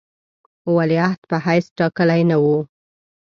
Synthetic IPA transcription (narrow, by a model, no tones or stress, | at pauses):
waliaht̪pəhajsʈɑkəlajnawu